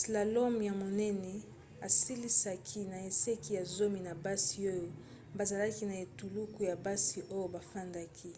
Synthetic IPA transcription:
sla˨lo˦m˨ja˨mo˨nɛ˦nɛ˨ | a˨si˦li˦sa˦kʰi˦na˨e˨se˦ki˦ja˨zo˦mi˨na˨ba˦si˨o˦jo˨ | ba˨za˨la˦ki˦na˨e˨tu˨lu˦ku˨ja˨ba˦si˨ʔo˦jo˦ba˨fa˦nda˦kʰi˦

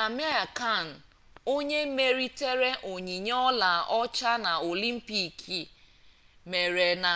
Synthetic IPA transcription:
a˨me˦a˨ka˦˨n̩˨ | o˦ɲe˦me˦ɾi˦te˦ɾe˦ʔo˨ɲi˨ɲ˦ɔ˦la˨ʔɔ˦t͡ʃa˦na˨o˨li˦m̩˦pi˦kʰi˨ | me˨ɾe˨na˨

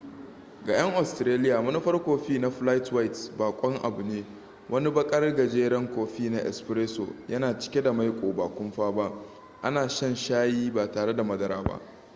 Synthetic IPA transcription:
ɡaː˨j̰ʔɐ˦ŋʔa˨stɾeː˦lɪ˦jaː˨mɐ˦ni˦ɸɐ˦rkʷoː˨ɸiː˦na˦ɸla˦jtwa˦jtbaː˨kʷʼɔ˦ŋʔa̰˨bʊ˨neː˦ | wʔɐ˦ni˦bɐ˦kʼɐ˦rɡɐ˨d͡ʒeː˦ɽɐ˦ŋkʷoː˨ɸiː˦na˦ʔɛ̰˨spɾeː˦so̰˨jɐ˦naː˨t͡ʃɪ̥˦kʲe˦da˨ma˦jkʷʼoː˨baː˨kʷʊ˦mɸaː˦ba˦ʔ | ʔa̰˦naː˨ʃɐ˦nʃaː˦jiː˦baː˨taː˨ɽe˦da˨mɐ˦dɐ˦ɾa̰ː˨ba̰˦ʔ

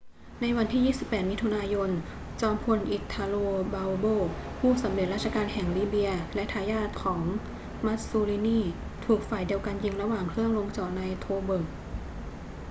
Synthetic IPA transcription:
na˧jwa˧nt̪ʰiː˥˩jiː˥˩si˨˩pːɛː˨˩t̪̚mi˦˥t̪ʰu˧naː˧jo˧n | t͡ɕɔː˧mpʰo˧nʔi˨˩t̪ʰːaː˧loː˧baː˧wboː˧˥˩pʰuː˥˩sa˩˦mle˨˩t̪̚ɾa˥˩t͡ɕʰa˧kaː˧nɦɛ˨˩ŋliː˥˩bi˧ɐlɛ˦˥t̪ʰaː˧jaː˥˩t̪̚kʰɔː˩˦ŋ | ma˦˥t̪̚suː˧liː˧niː˥˩ | t̪ʰuː˨˩k̚faː˨˩jdi˧əwka˧nji˧ŋɾa˧waː˨˩ŋkʰɾɯ˥˩əŋlo˧ŋt͡ɕɔː˨˩t̚na˧jt̪ʰoː˧bɤ˨˩ŋ

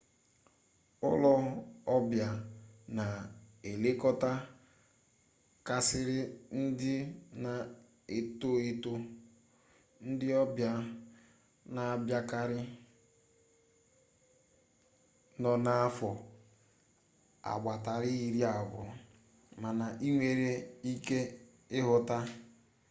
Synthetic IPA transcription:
ʊ˦lɔ˦ɔ˦bja˨na˨e˨le˦kɔ˦ta˦ | ka˨sɪ˦ɾɪ˦n̩˦dɪ˦na˨ | e˨to˦e˦to˦ | n̩˦dɪ˦ɔ˦bja˦ | na˨a˨bja˦ka˦ɾɪ˦ | nɔ˨na˦a˦fɔ˨ | a̰˨ɡ͡bʷa˨ta˨ɾɪ˦i˨ɾi˦a˨bʊ̰˨ | ma˨na˨ʔi˦ŋʷe˨ɾe˦i˦ke˦ | ɪ˦ɦʊ˨ta˦

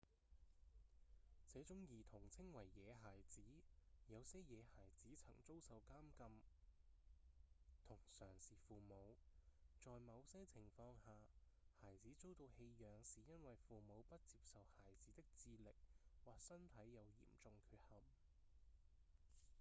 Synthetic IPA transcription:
t͡sɛː˨˥t͡sʊ˨˥ŋjiː˨˩t̪ʰʊ˨˩ŋt͡sʰɪ˥ŋwɐ˨˩jːɛː˨˧ɦaː˨˩jt͡siː˨˥jɐ˨˧wsɛː˥jɛː˨˧haː˨˩jt͡siː˨˥t͡sʰɐ̰˨˩ŋt͡so˥wsɐ˨wkaː˥mkɐ˧m | t̪ʰʊ˨˩ŋsœː˨˩ŋsiː˨˩fuː˨mo˨˧wt͡sɔː˨jmɐ˨˧wsɛː˥t͡sʰɪ˨˩ŋfɔː˧ŋhaː˨˩ | haː˨˩jt͡siː˨˥t͡so˥wt̪o˧whe˧jjœː˨˧ŋsiː˨jɐ˥nwɐ˨jfuː˨mo˨˧wpɐ˥t̚t͡siː˧p̚sɐ˨whaː˨˩jt͡siː˨˥t̪ɪ˥k̚t͡siː˧lɪ˨k̚waː˨˩ksɐ˥nt̪ʰɐ˨˥jːɐ˨˧wjḭː˨˩mt͡sʊ˨ŋkʰyː˧t̚hɐ˨m

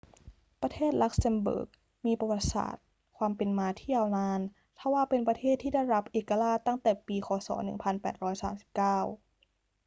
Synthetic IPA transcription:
pɾa˧t̪ʰeː˥˩t̪̚la˦˥k̚se˧mbɤ̰ː˨˩k̚ | miː˧pa˧wa˨˩t̪̚sa̰ː˨˩t̪̚ | kʰwaː˧mpe˧nmaː˧t̪ʰiː˥˩jaː˧wnaː˧n | t̪ʰa˥˩waː˧˥˩pe˧npɾa˧t̪ʰeː˥˩t̪ʰːiː˥˩da˥˩jɾa˦˥p̚ʔeː˨˩kːa˧laː˥˩t̪a˥˩ŋt̪ɛː˨˩piː˧xʰɔː˨˩˦sɔ̰ː˩˦nɯ̰˨˩ŋpʰa˧npɛ̰ː˨˩t̪̚ɾɔː˦˥jsaː˩˦msi̥˨˩p̚kaː˥˩w

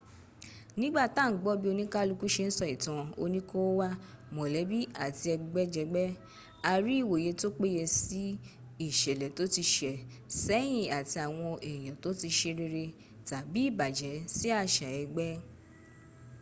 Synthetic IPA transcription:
nĩ˦ɡ͡ba˦˨tã˦˨˦ɡ͡bɔ˦bi˦o˧nĩ˦ka˦lu˧˦ku˦ʃe˧n̩˦sɔ˦˨i˨tã˨˧o˧nĩ˦ko˦wa˦mɔ̃˨lɛ˨˦bi˦a˦˨ti˧ɛ˧ɡ͡bɛ˦d͡ʒɛ˧ɡ͡bɛ˦ | a˧ɾi˦i˦˨wo˨je˧to˦k͡pe˦jɛ˧si˦ | i˦˨ʃɛ˨lɛ˨to˨˦ti˧ʃɛ˨ | sɛ˦j̃ĩ˦˨a˨ti˧a˨w̃ɔ̃˧ʔɛ˨j̃ã˨to˨˦ti˧ʃe˧ɾe˧ɾe˧ | ta˨bi˨˦i˦˨ba˨d͡ʒɛ˨˦si˦a˦˨ʃa˨ɛ˧ɡ͡bɛ˦

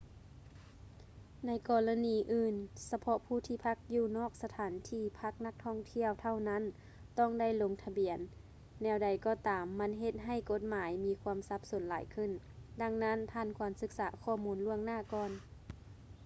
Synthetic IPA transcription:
na˧˥jkɔː˧˩la˧niː˨˦ʔɯː˧˩nsa˧pʰɔ˧˥ʔpʰuː˧˩t̪ʰiː˧˩pʰa˧˥k̚juː˧˩nɔː˥˩k̚sa˧t̪ʰaː˨˦nt̪ʰiː˧˩pʰa˧˥k̚na˧˥k̚t̪ʰɔː˧˥˩ŋt̪ʰi˧˩˨əwt̪ʰa˧˩˨wna˧˥˨n | t̪ɔ˧˥˩ŋda˥˩˨jlo˧ŋt̪ʰa˧bi˨˩˦ənː | ɛː˧˩wda˨˩˦jkɔː˧˩t̪aː˨˦mːa˧˥˨nɦe˧˦t̪̚ɦa˧˩˨jko˧˦t̪̚maː˨˦jmiː˧˥kʰuː˧əmsa˧˦˥p̚so˩˦nlaː˨˦jkʰɯ˧˥˨n | da˧ŋna˦˧˥np̪ʰaː˧˨nkʰwaː˨˩˦msɯ˧˥k̚saː˨˦kʰɔː˧˩muː˧˥nlu˧˥˩əŋnaː˧˩˨kɔː˧˨n

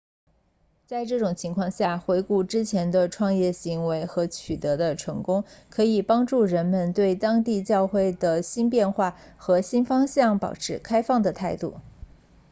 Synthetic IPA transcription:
t͡sa˥˧ɪʈ͡ʂɤ˥˩ʈ͡ʂʊ˨˩ŋt͡ɕʰi˧˥ŋkʰwɑ˥˧ŋɕja˥˩xwe˧˥ɪku˥˩ʈ͡ʂɻ̩˥t͡ɕʰjɛ˧˥nd̪ə˧ʈ͡ʂʰwɑ˥˧ŋjɛ˥˩ɕi˧˥ŋwe˧˥ɪxɤ˧˥t͡ɕʰy˨˩t̪ɤ˧˥d̪ə˧ʈ͡ʂʰɤ˧˥ŋkʊ˥ŋkʰɤ˧˥i˨˩pɑ˥ŋʈ͡ʂu˥˩ɻə˧˥nmə˧nt̪we˥˩ɪt̪ɑ˥ŋt̪i˥˧t͡ɕjɑ˥˧ʊxwe˥˩ɪd̪ə˩ɕi˥npjɛ˥˧nxwa˥˩xɤ˧˥ɕi˥nfɑ˥ŋɕjɑ˥˩ŋpɑ̰˨˩ʊʈ͡ʂʰɻ̩˥kʰa˥ɪfɑ˥˩ŋd̪ə˩t̪ʰa˥˧ɪt̪u˥˩

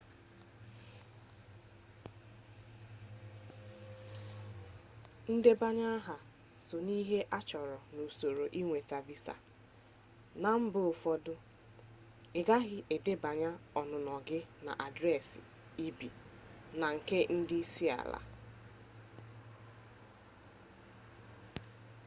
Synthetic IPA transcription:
n̩˦de˦ba˦ɲa˦ɦa˨ | sʊ˨ni˦ɦe˦ʔa˦t͡ʃɔ˨ɾɔ˨nu˨so˨ɾo˨ʔi˦ŋʷe˨ta˨bi˦sa̰˨ | na˨m̩˦bʊ˦o˨fɔ˦dʊ˦ | ɪ˨ɡa˦ɣɪ˦ʔe˨dɪ˦ba˨ɲa˦ɔ˨nʊ˨nɔ˨ɡɪ˦na̰˨ʔa˨dɾɛ˦˨sɪ̰˨ | i˦bi˨ | na˨ŋ̩˨ke˦n̩˦dɪ˦si˦a̰˨la̰˨

